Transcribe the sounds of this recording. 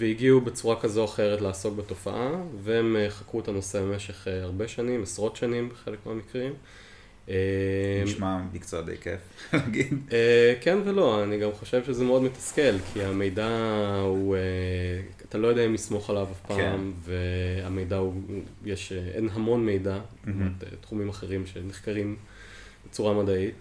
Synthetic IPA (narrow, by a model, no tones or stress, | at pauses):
veiɡiubet͡suʁakazo̞aχe̞ʁetlaaːso̞k̚beto̞fa̰ʔaveemeχakʁuet̪ano̞sebemeʃe̞χaʁbe̞ʃanimesʁo̞tʃanimbeχe̞lekmeamikʁim | emʃmamikt͡soad̪ḛjkḛflaɡid̪ekenvelo̞aniɡamχo̞ʃevʃezemeodmetḁske̞lkʰiame̞jdaue | at̪alo̞jodɛaimlismo̞χalavafpamveame̞jdaujeʃenɦamo̞nme̞jdamt̪ḛt̪χumimaχeʁimʃeneχkaʁim | b̥et͡suʁamadait